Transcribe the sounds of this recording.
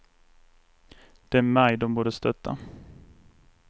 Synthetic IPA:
d̪̥ɛæmajd̪ɔmbuːɖəst̪œt̪ʰːa̰

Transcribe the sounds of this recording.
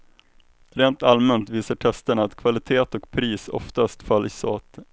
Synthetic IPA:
ɾeːnt̪almɛnt̪viːsaʈʰɛst̪əɳaːt̪kʰvalɪt̪ʰeːt̪ɔkpʰɾiːsɔ̰ft̪ast̪fœlːso̰ːt̪

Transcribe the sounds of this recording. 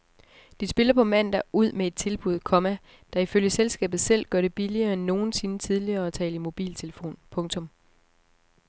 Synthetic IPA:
d̥isb̥e̝lɐpʰɒ̽mæn̰d̥æʔuð̰ˠmee̝d̥̚t͡sʰe̝lb̥uð̰ˠkʰɒ̽mæ | d̥ɑ̈iføljəselsɡ̥ɛ̰ːb̥ð̩ˠsel̰ɡ̥ɶɐɾ̥e̝b̥iliɐːenːo̝ːn̩se̝nət͡sʰið̞ˠliɐ̽ːt͡sʰɛ̰ːlimo̝b̥ḭːlt͡sʰe̝ləfo̝̰ːnpʰɔ̽ŋt͡sʰɔ̽m

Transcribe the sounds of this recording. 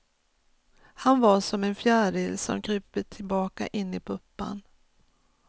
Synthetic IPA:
hanvaʂɔmɛnfjæːɖɪlːsɔ̰mkɾyːpət̪ʰɪlbɑːka̰ʔɪnːɪpʰɵpːa̰n

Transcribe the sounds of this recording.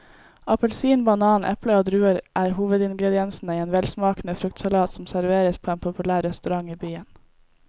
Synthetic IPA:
ɑpəlsiːnbɑnɑːnʔɛ̰pləoːd̪ɾʉːəɾʔæːɾhuːʋəd̪ɪŋɡɾɛd̪ɪɛnsn̩əiːeːnʋɛlsmɑːkn̩əfɾʉkt̪sɑlɑːt̪sm̩sæɾʋeːɾəspʰoːeːnpʰʊpʉlæːɾɛst̪ʉɾɑŋiːbyːən

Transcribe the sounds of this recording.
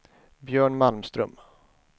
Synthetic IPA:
bjœːɳmalmst̪ɾɵ̰m

